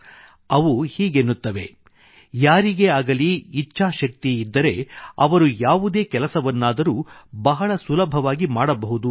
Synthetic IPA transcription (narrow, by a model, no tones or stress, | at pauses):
ɐʋuhiːɡenːut̪ːɐʋe̞ | jaːɾiɡe̞aːɡɐliːt͡ʃːʃaːʃɐk̚t̪iid̪ːɐɾe̞ɐ̰ʋɐɾujaːʋud̪e̞ːkɛlɐsɐʋɐnːaːd̪ɐɾuːbɐɦɐɭɐsulɐbʱɐʋaːɡimaːɽɐbɐɦud̪u